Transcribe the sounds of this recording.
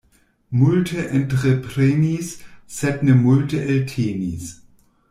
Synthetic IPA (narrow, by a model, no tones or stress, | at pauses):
mʊltʰəʔɛntʁəpʁɛnissɛtnəmʊltʰəʔɛltʰeːnḭs